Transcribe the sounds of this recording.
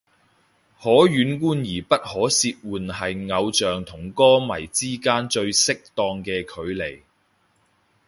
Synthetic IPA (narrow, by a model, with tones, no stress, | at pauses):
hɔː˨˥jyː˨˥nkuː˥njiː˨˩pɐ˥t̚hɔː˨˥siː˧t̚wuː˨nhɐ˨jŋɐ˨˧wt͡ʃœː˨ŋt̪ʰʊ˨˩ŋkɔː˥mɐ̰˨˩jt͡siː˥kaː˥nt͡ʃɵ˧ɥsɪ˥k̚t̪ɔː˧ŋkɛː˧kʰɵ˨˧ɥle˨˩j